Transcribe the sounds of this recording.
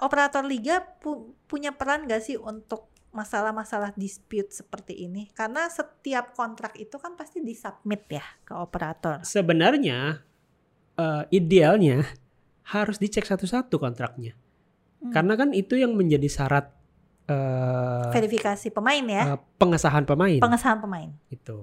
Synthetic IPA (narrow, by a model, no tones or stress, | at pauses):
ʔopəɾat̪ɔrliɡapupuɲapəɾanɡasɪhunt̪ʊk̚ | masalahmasalahdispjut̪̚sə̥pərt̪iʔinikarnasət̪iap̚kɔnt̪ɾak̚it̪ukanpast̪idisap̚mɪt̪̚jakəopəɾat̪ɔrsəbənarɲa | əːidealɲa | haɾʊsdit͡ʃɛksat̪usat̪ukɔnt̪ɾak̚ɲa | kaɾənakanit̪ujaŋməɲd͡ʒadisaɾat̪̚ | əfeɾifikasipəmaɪnjapəŋəsaɦanpəmaɪnpəŋəsaɦanpəmaɪnɡit̪u